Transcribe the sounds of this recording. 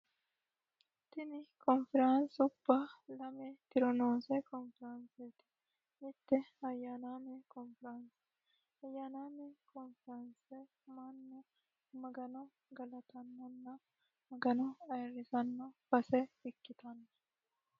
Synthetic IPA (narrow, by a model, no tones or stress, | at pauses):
t̪ːɪnɪkɔnfɪɾansʊb̥ːalɐmet̪ɪɾɔnoːsɛkɔnfɪɾɐnset̪ɪ̥ | ɪt̪ːɛɐjːaːnaːmɛkɔnfɪɾɐnsɛ̥ | ɐjːaːnaːmɛkɔnfɪɾɐnsɛ | mɐnːɐ | mɐɡɐnɔ | ɡɐlɐt̪ɐnːɐnːɐ | mɐɡɐnɔɐɪrːɪsɐnːobɐsɛɪkːɪt̪ɐnːɐ̥